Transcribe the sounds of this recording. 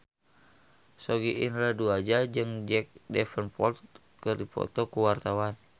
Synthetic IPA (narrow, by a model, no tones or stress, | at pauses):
sɔɡiʔinɾaduad͡ʒad͡ʒɨŋd͡ʒɛk̚dɛfənpɔlt | kərdipɔ̰t̪ɔkuwart̪awan